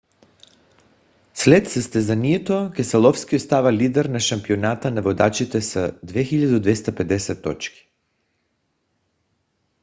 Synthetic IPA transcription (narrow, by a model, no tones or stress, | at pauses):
slɛt̪səst̪ɛzaniɛt̪okɛsalˠɔfskiot̪st̪avalid̪ɛɾnaʃampionat̪anavod̪at͡ʃit̪ɛsad̪vɛxiʎad̪od̪vɛst̪apɛd̪ɛsɛt̪ːɔ̰t͡ʃki̥